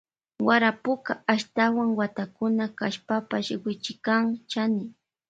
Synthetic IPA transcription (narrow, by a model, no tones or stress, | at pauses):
waɾapʊkaaʃt̪awaŋwat̪akʊnakaʃpapaʃwɪt͡ʃɪkaŋt͡ʃanɪ